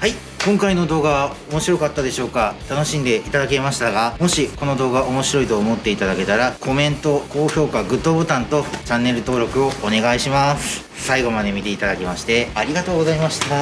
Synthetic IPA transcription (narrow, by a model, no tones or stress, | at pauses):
hai | kõŋkaino̞d̪o̞ːɡaomo̞ɕiɾo̞kat̪ːad̪e̞ɕo̞ːkat̪ano̞ɕĩnd̪e̞ʔit̪ad̪ake̞maɕi̥t̪aɡamo̞ɕiko̞no̞d̪o̞ːɡaʔomo̞ɕiɾo̞it̪o̞ːmo̞t̪ːe̞it̪ad̪ake̞t̪aɾakʰo̞mẽ̞nt̪o̞ko̞ːço̞ːkaɡɯ̟t̪ːoːbot̪ãnt̪o̞t͡ɕãnːe̞ɾɯ̟t̪o̞ːɾo̞kɯ̟o̞ːne̞ɡaiɕimasɨ̥ | saiɡo̞mad̪e̞mʲit̪e̞it̪ad̪akʲimaɕi̥t̪e̞aɾʲiɡat̪o̞ːɡo̞zaimaɕi̥t̪a